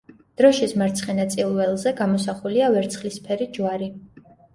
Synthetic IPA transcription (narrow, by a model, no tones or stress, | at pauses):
d̪̥ɾɔʃismaɾt̪sʰχɛnat̪sʼilˠvɛlˠzɛɡamɔsaχuliavɛɾt̪sʰχlispʰɛɾid͡ʒwaɾi